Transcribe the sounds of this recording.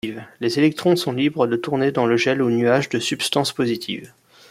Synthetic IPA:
ivlezelɛk̚t̪χɔ̃sɔ̃libʁəd̪ət̪uʁned̪ɑ̃ləʒɛlonyaʒd̪əsypst̪ɑ̃spozit̪ʰḭv

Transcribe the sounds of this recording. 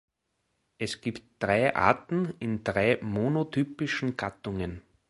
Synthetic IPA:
ʔɛsɡ̥iːptd̥ʁaɪʔa̰ːtn̩ɪndʁaɪmonotʰyːpɪʃn̩ɡ̥atʊŋən

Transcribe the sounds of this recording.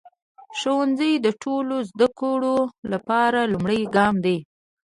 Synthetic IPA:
ʃowanzəjd̪əʈʰolozd̪əkoɽolapɑɾalumɽəjɡɑmd̪e

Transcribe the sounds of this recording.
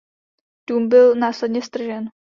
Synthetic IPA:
d̥uːmbɪlnaːslɛdɲɛst̪r̩ʒɛn

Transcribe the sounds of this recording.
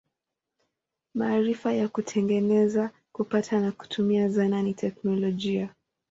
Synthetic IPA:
maːɾifajakutʰɛŋɡɛnɛza | kupatʰanaku̥tʰumiazananitʰɛknɔlɔʄia

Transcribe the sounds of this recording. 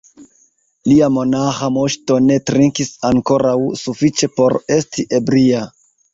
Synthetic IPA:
liamo̞naxamoʃto̞ne̞tɾiŋkisaŋko̞ɾawsufit͡ʃe̞po̞ɾe̞stʰiʔe̞bɾia

